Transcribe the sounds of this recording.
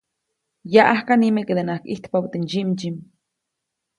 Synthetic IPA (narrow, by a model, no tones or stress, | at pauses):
jaʔahkanimeked̪enahkʔiht̪pawt̪end͡ʒimd͡ʒim